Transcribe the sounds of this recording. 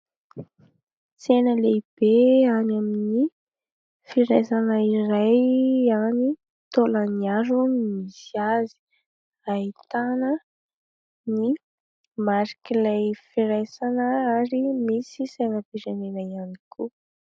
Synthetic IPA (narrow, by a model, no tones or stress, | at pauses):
t͡senəleib̥eanamini | fiɾajsanəirajani | t̪oləniaɾunmisiazi̥ | aɦit̪anə | ni | maɾikilajfiɾajsanəaɾimisisenəpiɾenenəianikʰu